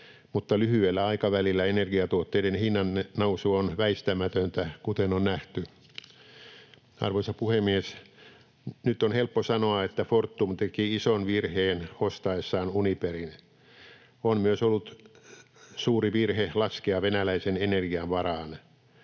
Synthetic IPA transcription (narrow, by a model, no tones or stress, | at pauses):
mut̪ːɑlyhyelːæɑikɑʋælilːæenerɡiɑt̪uot̪ːeidenhinːɑnnousuonʋæist̪æmæt̪ønt̪ækut̪enonnæht̪y | ɑ̰rʋoisɑpuhemies | nyt̪ːonhelpːosɑnoɑet̪ːæfort̪ːumt̪ekiisonʋirheːnost̪ɑesːɑːnuniperin | onmyøsolːut̪ | suːriʋirhelɑskeɑʋenælæisenenerɡiɑʋʋɑrɑːn